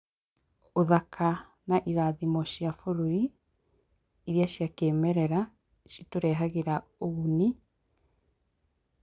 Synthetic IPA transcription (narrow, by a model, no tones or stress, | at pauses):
oðakʰa | naʔiɾaðimɔʃijafoɾoɾi | ɾiaʃjakeːmɛɾɛɾa | ʃitoɾɛːɦaɣeɾaoɣuni